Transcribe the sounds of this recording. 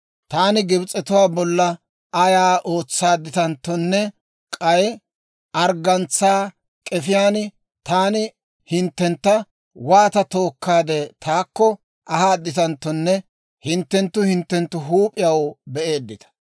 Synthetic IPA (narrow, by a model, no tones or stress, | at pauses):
t̪aːnɪɡɪbt͡sʼːɛt̪ʊwaːbɔlːɐ | ɐjaːʔo̞ːt͡sːaːd̪ːɪt̪ɐnt̪ːɔnːɛ | kʼɐjɛ | ʔɐɾɡɐnt͡sːaː | kʼɛfɪjaːnɪ | t̪aːnɪ | hɪnt̪ːɛnt̪ːɐ | waːt̪ɐt̪o̞ːkːaːd̪ɛt̪ʰaːkːɔ | ʔɐhaːd̪ːɪt̪ɐnt̪ːɔnːɛ | hɪnt̪ːɛnt̪ːʊhɪnt̪ːɛnt̪ːʊɦuːpʼɪjɐwbɛʔe̞ːd̪ːɪt̪ɐ̥